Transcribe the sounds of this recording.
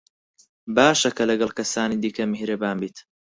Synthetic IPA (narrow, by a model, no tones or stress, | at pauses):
baːʃɐkʰɐlɐɡɐlˠkɐsaːnid̪iːkʰɐmɪhɾɐbaːmbiːt̪